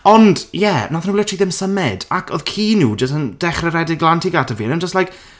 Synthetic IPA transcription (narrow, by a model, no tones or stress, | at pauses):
ɔndjɛnaθnuwɪlɛtʰr̥iːðɪmsəmɪdakʰɔðkʰiːnuːd͡ʒəs̬tənd̥ɛχrɛɾɛdɪɡlˠantʰiɡatʰəviːənənd͡ʒəstlajk